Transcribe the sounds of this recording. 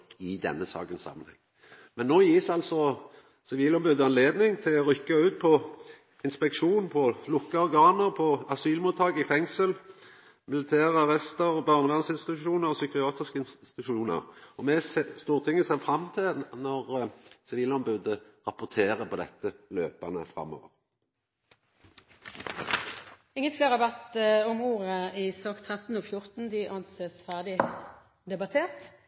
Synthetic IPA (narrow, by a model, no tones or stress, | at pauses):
ɪd̪ɛ̰nːəsɑ̰ːkənsɑ̰mːənhɛ̰ŋː | mɛnːoːjiːsɑlsɔ | sɪʋiːlɔmbʉd̪əɑnleːd̪nɪŋt̪ʰɪlɔɾʏkːəʉːt̪̚pʰɔ | ɪnspɛkʂuːnpʰɔlʊkːəɔɾɡɑːnəʁpʰɔɑsyːlmuːt̪ʰːɑːɡɪfɛŋsəl | mɪlɪt̪ʰæːʁəɑʁɛst̪əɾɔbɑɾməlɑnsɪnst̪ɪt̪ʉʃuːnəʁɔsʏkɪɑːt̪ɪskəɪnsɪ̥t̪ʉʂuːnə̰ɾɔmɛsst̪uːʁt̪ʰɪŋːəsæfʁɑmːt̪ʰɪlnɔʁsɪʋiːlɔmbʉd̪əʁɑpːʊʁt̪ʰeːʁəpʰɔd̪ɛ̰t̪ːəløːpɑnə̰fʁɑ̰mːo̰ːʋə̰ʁ | ɪŋːənfleːʁɑbæt̪ɔmuːʁəɪsɑːkt̪ʰʁɛt̪n̩oːfjʊʁt̪n̩d̪ɪʔɑnseːsfæʁd̪ɪ | d̪ɛbɑt̪ʰeːʁt̪